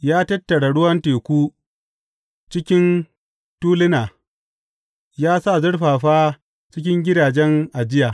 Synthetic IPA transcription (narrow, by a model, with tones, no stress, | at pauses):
jaː˦tɐ˦tːɐ˨ɽa˨ɽʊ˦wɐ˦nteː˨kʷuː˦ | t͡ʃɪ˦kʲɪ˦n | tuː˦lɪ˦naː˨ | jaː˦sa˦˨zʊ˦ɽɸaː˨ɸaː˦ | t͡ʃɪ˦k̬ʲɪ˦ŋɡʲɪ˦daː˨d͡ʒɛ˦ŋʔa˨d͡ʒɪ˦jaː˨